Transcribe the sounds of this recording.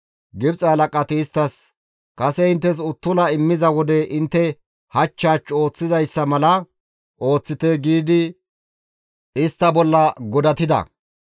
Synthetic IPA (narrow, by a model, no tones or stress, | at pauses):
ɡɪbt͡sʼɐːlɐkʼːɐt̪ɪːst̪ːɐs | kɐsɛɪnt̪ːɛs̬ʊt̪ːʊlɐɪmːɪzɐwɔd̪ɛʔɪnt̪ːɛ | hɐt͡ʃːaːt͡ʃːo̞ːt͡sːɪzɐjsːɐmɐlɐ | ʔo̞ːt͡sːɪt̪ɛɡiːd̪ɪ | ɪst̪ːɐbɔlːɐɡɔd̪ɐt̪ɪd̪ɐ̰